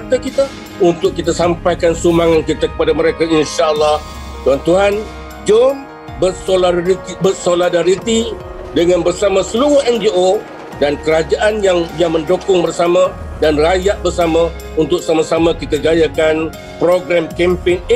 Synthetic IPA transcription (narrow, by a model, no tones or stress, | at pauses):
t̪əkit̪a | unt̪ʊk̚ːit̪asampajkansumaŋankit̪akə̥padaməɾekainʃaəlːah | t̪uɦant̪uɦan | d͡ʒɔm | bərsolibərsoladaɾit̪i | dəŋãnbərsamãsəluʊhɛnd͡ʒio | dankəɾad͡ʒaʔanjaŋjaŋməndokʊŋbərsamãdanrajaʔ̚bərsamã | unt̪ʊk̚samasamãkit̪əd͡ʒajakan | pɾoɡɾamkɛmpɪŋ